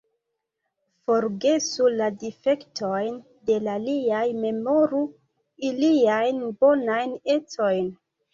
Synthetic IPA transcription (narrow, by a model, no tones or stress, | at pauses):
fo̞ɾɡe̞suladife̞ktʰojn | de̞laliajme̞mo̞ɾu | iliajnbo̞najne̞t͡so̞jn